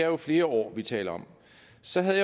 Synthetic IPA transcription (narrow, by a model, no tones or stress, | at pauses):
æɐjo̝fle̝ːɐɒ̰ːʋit͡sʰɛ̰ːlɐɒ̽m | sɒ̽ɦæðˠja